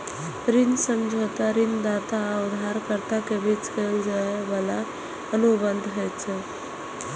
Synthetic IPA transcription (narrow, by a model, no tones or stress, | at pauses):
pɾinsəmd͡ʒʱot̪aɾind̪at̪aəwd̪ʱaɾkəɾt̪akebit͡skeld͡ʒaeʋəla | ənubənd̪ʱɦət͡ʃʰe